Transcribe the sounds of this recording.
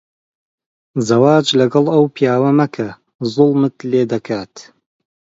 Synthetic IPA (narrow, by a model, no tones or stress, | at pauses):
zɐwaːd͡ʒlɐɡɐlˠɐwpijaːwɐmɐkʰɐ | zʊlˠmɨt̪leːd̪ɐkʰaːt̪